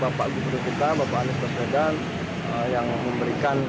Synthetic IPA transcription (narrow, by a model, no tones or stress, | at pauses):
bapaʔɡufudukit̪abapaʔanɪst̪aswedan | əjaŋməmbəɾikan